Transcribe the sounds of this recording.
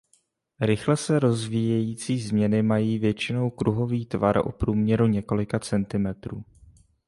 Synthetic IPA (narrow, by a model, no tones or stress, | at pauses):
ɾɪxlɛsɛɾo̞zviːjɛjiːt͡siːzmɲɛnɪmajiːvjɛt͡ʃɪno̞wkɾʔuɦo̞viːt̪vaɾo̰pɾuːmɲɛɾuɲɛko̞lɪkat͡sɛnt̪ɪmɛt̪ɾuː